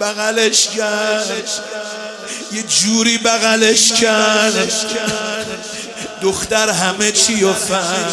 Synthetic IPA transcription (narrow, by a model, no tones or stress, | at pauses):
bæɣæleʃcʰæɾɾ | jed͡ʒuːɾiːbæɣæleʃkʰæɾɾd̪ʃʰ | d̪oxt̪æɾɦæmet͡ʃʰijofæ